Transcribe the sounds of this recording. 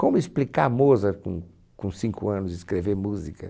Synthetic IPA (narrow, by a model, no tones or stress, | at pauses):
kõmʊisplikamozɐkṵ̃ | kũsĩŋkʊɐ̃nʊzɪskɾeveɾmuzikɐ